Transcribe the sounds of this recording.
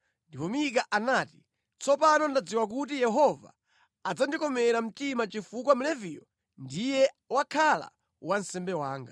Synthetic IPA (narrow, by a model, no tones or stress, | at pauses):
ndipɔmik̬aʔanaːti̥ | t͡sʰɔpanɔndad͡ziwak̬ut̬ijɛɦɔva̰ | ad͡zandikɔmɛɾam̩timat͡ʃifuk̬wamulɛvijɔ | ndijɛ | wakʰala̰ | wansɛmbɛwaːŋɡa